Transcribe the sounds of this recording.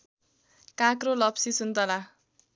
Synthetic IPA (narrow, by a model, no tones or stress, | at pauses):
kãkrolʌpsisunt̪ʌla